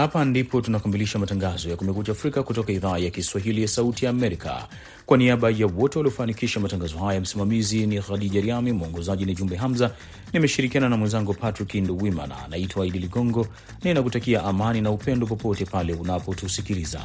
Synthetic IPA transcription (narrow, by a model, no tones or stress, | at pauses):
hapandipɔtunakamiliʃamataŋɡazɔjakumɛkut͡ʃaːfɾikakutɔkaiðaːjakiswaɦilijasautijaːmɛɾika̰ | kwaniaɓajawɔtɛwaliɔfanikiʃamataŋɡazɔɦajam̩simamiziniɣaɗiʄaɾiamimuɔŋɡɔzaʄiniʄumbɛɦamza | nimɛʃiɾikiananamwɛnzaŋɡupatɾikinduwima̰na̰naitwaiɗiliɡɔŋɡɔ | nainak̬utakiaʔamaninaupɛndɔp̬ɔpɔtɛpalɛunapɔtusikiliza̰